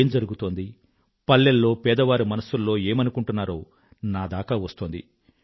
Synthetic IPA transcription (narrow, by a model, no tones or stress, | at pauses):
md͡ʒɐɾuɡut̪o̞ːnd̪i | pɐlːelːo̞ːpɛːd̪ɐʋaːɾumɐnɐsulːo̞ːe̞ːmɐnukuɳʈunːaːɾo̞ː | naːd̪aːkaːʋɐst̪oːnd̪ḭ